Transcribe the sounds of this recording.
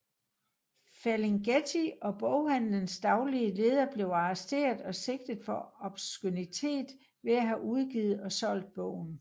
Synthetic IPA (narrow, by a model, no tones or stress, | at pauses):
fæleŋɡ̥et͡sʰiɒ̽b̥ɔʊhæn̰lənsd̥ɑ̈ʊliəle̝ːð̞ˠɐb̥le̝ʊɑ̈asd̥e̝̰ːɐðˠɒ̽se̝ɡ̥̚d̥əð̩ˠfɒ̽ɒ̽b̥sɡ̥unit͡sʰe̝̰ːd̥ | ʋe̝æɦæʔuð̞ˠɡ̥iːð̞̩ˠɒ̽sɒ̽l̰d̥̚b̥ɔ̰ʊ̰n̩